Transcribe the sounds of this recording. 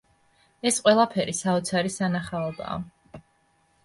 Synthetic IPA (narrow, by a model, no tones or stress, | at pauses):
ɛsqʼwɛlˠapʰɛɾisaɔt̪sʰaɾisanaχaɔba̰ː